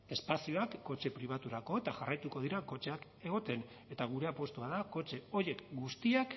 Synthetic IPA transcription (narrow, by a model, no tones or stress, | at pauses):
e̞spasio̞akːo̞t͡ʃe̞pɾiβ̞at̪uɾako̞e̞t̪aʝarajt̪uko̞ð̞iɾako̞t͡ʃe̞ak | e̞ɣ̞o̞t̪e̞n | e̞t̪aɣ̞uɾe̞apwo̞st̪uaðako̞t͡ʃe̞o̞je̞kɡust̪iak